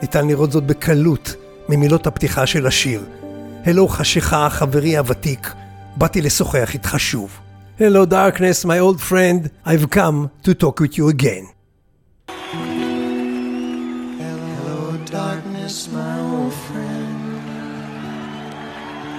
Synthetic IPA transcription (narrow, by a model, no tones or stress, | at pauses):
nitanliʁo̞tzo̞t̚bekʰalut | mimilo̞thaptiχaʃelaʃiʁhelowχaʃeχaχaveʁihavatik | batileso̞χeaχitχaʃuvhelowdaʁknesmajoldfɹɛ̃ndajvkãmtutɔkwiθjuəɡẽn | kn | ofɹɛnd